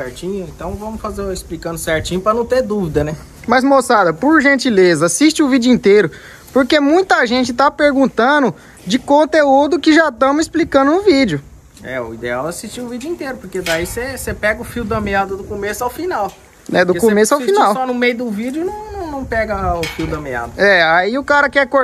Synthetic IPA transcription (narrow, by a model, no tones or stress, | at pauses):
sɛɾt͡ʃĩɲʊẽnt̪ɐ̃w̃vɐ̃mʊsfazeisplikɐ̃nd̪ʊsɛɾt͡ʃĩɲʊpɾɐnɐ̃w̃t̪ed̪uvid̪ɐnɛ | mɐzmosad̪ɐpoɾʒẽnt͡ʃilezɐasiʃt͡ʃɪʊvid͡ʒʊĩnt̪eɾʊ | poɾkemũj̃t̪ɐʒẽt͡ʃɪt̪apeɾɡũnt̪ɐ̃nʊ | d͡ʒɪkõnt̪eud̪ʊkɪʒat̪ɐ̃misplikɐ̃nd̪ʊnʊvid͡ʒʊ | ɛ̰ʊ̰ḭd̪ḛa̰wasist͡ʃiʊvid͡ʒʊĩt̪eɾʊpoɾked̪aisesepɛɡɐʊfiwd̪ɐmead̪ɐd̪ʊkomesʊawfinaw | nɛd̪ʊkomesʊawffinawsɔnʊmejʊd̪ʊvid͡ʒʊnɐ̃w̃nɐ̃w̃nɐ̃w̃pɛɡɐʊfiwd̪ɐmea̰d̪ɐɛaiʊkaɾɐkɛko